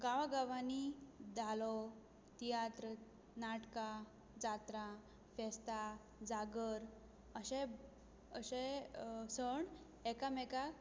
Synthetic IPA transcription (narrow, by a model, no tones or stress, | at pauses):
ɡaʋaɡaʋanid̪ʱalɔ | t̪ijat̪ɾə | naʈka | d͡zat̪ɾa | fɛst̪a | d͡zaɡəɾ | əɕe | əɕesəɳ | ɛkamɛka